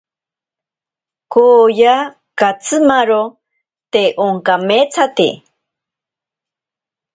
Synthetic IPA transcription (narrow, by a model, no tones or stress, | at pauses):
koja | kat͡sʰɨmaɾo | t̪eʔoŋkamet͡sʰat̪ḭ